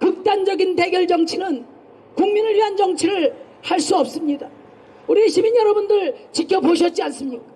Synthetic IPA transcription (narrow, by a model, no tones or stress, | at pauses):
kɯk̚t͈and͡ʑʌɡinte̞ɡjʌɭd͡ʑʌŋt͡ɕʰinɯn | kuŋminɯɾiɦand͡ʑʌŋt͡ɕʰiɾɯɭ | haɭs͈uʌp̚s͈ɯmɲida | uɾieɕʰibinjʌɾʌbundɯɭt͡ɕikʰjʌpoɕʰʌt̚t͡ɕ͈ians͈ɯmɲik͈ḁ